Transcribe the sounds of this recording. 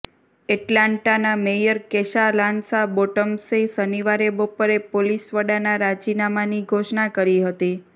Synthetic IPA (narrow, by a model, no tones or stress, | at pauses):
eʈlaɳʈanamejəɾkeʃalãnsaboʈəmsesəniʋaɾebopəɾepolisʋəɽanaɾad͡ʒinamaniɡʱoʃɳakəɾiɦət̪i